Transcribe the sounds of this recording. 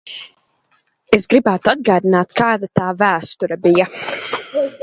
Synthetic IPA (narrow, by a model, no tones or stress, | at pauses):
esɡɾibæːt̪ad̪̚ɡaːd̪inaːt̪kʰaːd̪at̪aːvæːst̪uɾabija